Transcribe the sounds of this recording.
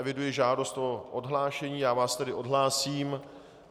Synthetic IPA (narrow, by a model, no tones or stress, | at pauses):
ɛvɪdujɪʒaːdo̞st̪ʔoʔodɦlaːʃɛɲiːjaːvaːst̪ɛdɪʔo̞dɦlaːsiːm